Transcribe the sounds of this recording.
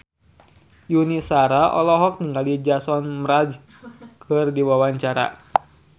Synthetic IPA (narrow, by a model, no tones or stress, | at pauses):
junisaɾaʔɔlɔɦɔk̚niŋɡalid͡ʒasɔnmɾad͡ʒ | kʰɨrdiwawaɲt͡ʃaɾa̰